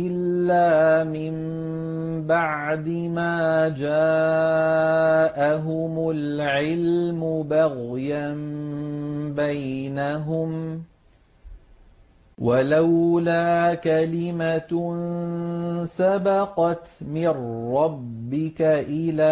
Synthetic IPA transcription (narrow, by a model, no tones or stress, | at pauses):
ɪlːaːmɪm | baʕd̪ɪmaːd͡ʒaː | ʔaɦʊmʊlʕɪlmʊbaɣjam | bajnaɦʊm | walawlaːkalɪman | sabɑqɑt̪mɪrːɑbbːɪkaʔɪlaː